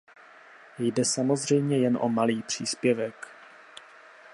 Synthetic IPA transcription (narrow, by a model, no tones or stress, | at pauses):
jdɛsamo̞zr̝ɛjmɲɛjɛnʔomaliːpr̝̥iːspjɛvɛk